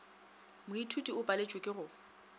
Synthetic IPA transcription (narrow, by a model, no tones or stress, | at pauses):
mʊitʰutʼiʊpʼalet͡ʃʼwekʼɪɣʊ